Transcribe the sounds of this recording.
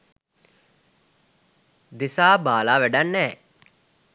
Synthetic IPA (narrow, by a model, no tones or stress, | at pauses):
d̪isaːbaːlaːʋæɖanːɛː